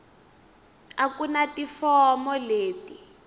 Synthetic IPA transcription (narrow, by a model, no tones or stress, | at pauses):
akunatifɔmɔleːti